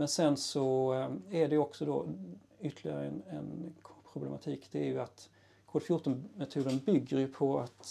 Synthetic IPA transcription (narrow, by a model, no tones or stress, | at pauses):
mɛnsɛnsɔæɖɛjɵɔksɔd̪ɔ̰ | ʏt̪ːəlɪɡa̰ɾəɛnɛnkʰːpʰɾʊblɛma̰t̪ʰiːkd̪̥ɛæɾjɵat̪ | kʰoːd̪fjʊʈːɔnmɛt̪ʰuːd̪ənbʏɡːəɾjɵpʰɔat̪